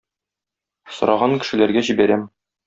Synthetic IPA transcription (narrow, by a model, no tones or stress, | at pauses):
sŏɾʔɑʁɑŋkɘ̆ʃɘ̆læɾɡæʑibæɾæm